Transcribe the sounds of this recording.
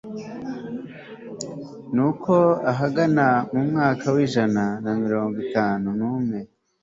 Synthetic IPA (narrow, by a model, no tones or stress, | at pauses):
nukʰo̞aɦaɡanamumŋaːkawiːʒananamiɾo̞ːŋɡitaːnunuːmŋe̞